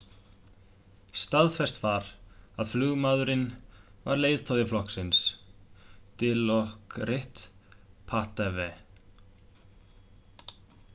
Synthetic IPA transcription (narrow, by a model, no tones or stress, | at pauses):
st̪aðfɛst̪vaɾaðflʏːɣmaðʏɾɪnvaɾleːjðt̪ʰoːðɪflɔhksɪns | t̪ɪlɔhkɾɪht̪pʰaht̪ɛvɛ